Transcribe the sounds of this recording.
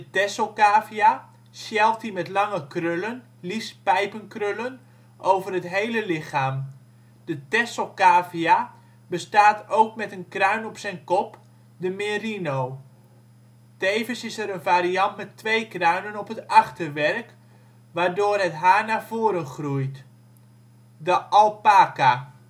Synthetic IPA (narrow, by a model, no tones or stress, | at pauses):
dətɛsokaːvia | sjɛlˠt̚ɦimɛtlɑŋəkrølən | lispɛjpənkrølən | ʔowvərɦətɦejləlɪχaːm | d̥ətɛsokaːfia | bəstaːtowk̚mɛtənkrœɥnɔpsɛjnkɔp | dəmeːrinow | tejvənsɪsəɾənvaːɾiɑntmɛtʋejkrœɥnənɔpɦətɑχtərʋɛrk | ʋaːɹdʊːrɦətɦaːɹnaːrv̥oːɾənχrujt | dəʔɑlˠpaːka